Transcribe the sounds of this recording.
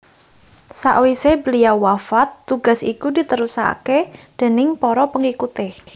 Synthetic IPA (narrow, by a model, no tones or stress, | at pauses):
sa̰ʔwisebəliawafat̪ːuɡ̥a̤sḭkudi̤t̪əɾusa̰ked̪̥e̤nɪŋpɔɾɔpəŋikut̪e